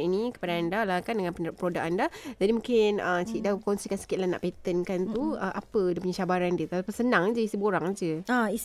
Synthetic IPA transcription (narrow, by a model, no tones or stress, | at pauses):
inikə̥padaːndalakandəŋãnpəpɾodak̚andad͡ʒadimũkɪnəsidakonsikansə̥kɪt̪̚lana̰ʔpet̪ənkant̪uəʔapədapuɲat͡ʃabaɾandiət̪aapasənaŋad͡ʒəist̪iboɾaŋad͡ʒəais